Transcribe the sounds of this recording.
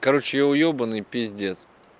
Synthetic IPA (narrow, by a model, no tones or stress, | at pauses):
kɐɾot͡ɕɪjoʊjobənɨjpʲezʲdʲet̪s